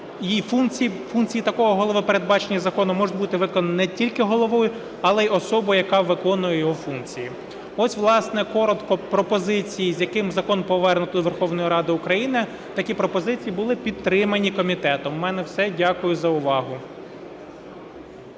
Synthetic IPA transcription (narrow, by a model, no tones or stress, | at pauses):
ifunkt͡sʲifunkt͡sʲijit̪ɐkɔɦɔɦɔlˠɔʋɪpeɾe̞d̪̚bɑt͡ʃenʲːɐzɐkɔnʊmɔʒʊt̚ʲbut̪ɪʋɪkɔnɐnɛtʲilʲkɪɦɔlˠɔʋɔjʊ | ɐlˠɛiɔsɔbʊjɐkɑʋɪkɔnʊjɛjɔɦɔfunkt͡sʲiji | ɔsʲʋlˠɑsnɛkɔɾɔt̪kɔpɾɔpɔzɪt͡sʲijizʲjɐkɪmzɐkɔnpɔʋɛrnʊt̪d̪ɔʋerxɔwnɔjiɾɑd̪ɪʊkɾɐjinɪ | t̪ɐkʲipɾɔpɔzɪt͡sʲijibʊlˠɪpʲid̪ɾɪmɐnʲikɔmʲit̪ɛt̪ɔmːɛnɛwsɛdʲɑkʊjʊzɐʊʋɑɦʊ